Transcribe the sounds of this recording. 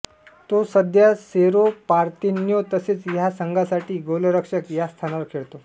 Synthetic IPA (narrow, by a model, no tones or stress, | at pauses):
t̪osəd̪ʱjaseɾopaɾt̪injot̪əseːt͡sjasəŋɡasaʈiːɡoləɾəkʂəkjast̪ʰanaʋəɾkʰeɭt̪o